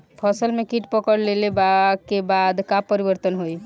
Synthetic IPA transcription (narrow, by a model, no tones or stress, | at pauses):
pʰəsəlmekiʈpəkəɽlelebakebad̪kapəɾibəɾt̪ənɦoj